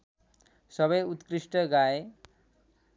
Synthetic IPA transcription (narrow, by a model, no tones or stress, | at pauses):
sʌβʌjut̪kɾisʈʌɡaje